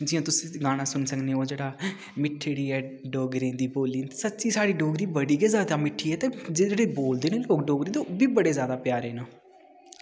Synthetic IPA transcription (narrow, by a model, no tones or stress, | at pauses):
d͡ʒɪjõːt̪ʊsĩːɡãːñãːsʊnsəkneːoːd͡ʒeːɽaː | mɪʈʰːeɽiːɛːɖɔːɡɾĩːd̪iːboːliːt̪ːsət̪ːt͡ʃiːsaːɽiːɖoːɡɾiːbəɽiːɡɛzjaːd̪aːmɪʈʰːiːɛːt̪eːd͡ʒed͡ʒeːɽeːboːld̪eːneːloːkɖɔːɡɾĩːt̪eoːbiːbəɽeːzjaːd̪aːpjaːɾeːnoː